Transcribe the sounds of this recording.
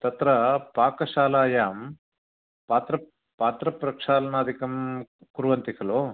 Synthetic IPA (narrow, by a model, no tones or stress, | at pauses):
t̪ɐt̪ɾɐpaːkɐʃaːlaːjaːm | paːt̪ɾɐ | paːt̪ɾɐpɾɐkʂaːlɐnaːd̪ʱikɐmkuɾʋɐnt̪ikʰɐloː